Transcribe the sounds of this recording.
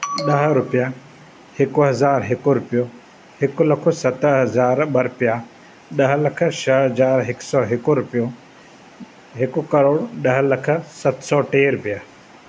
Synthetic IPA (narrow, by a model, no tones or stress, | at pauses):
ɗɐɦɾʊpija | hɪkuɦɐzaːɾɦɪkuɾʊpjo | hɪkulɐkʰosɐt̪ɦɐzaːɾɓɐɾʊpija | ɗɐɦlɐkʰəʃəɦɦɐzaːɾɦɪksɔːɦɪkuɾʊpjo | ɦɪkukɐɾoːɽɗɐɦlɐkʰəsɐt̪sɔːʈeːɾʊpɪja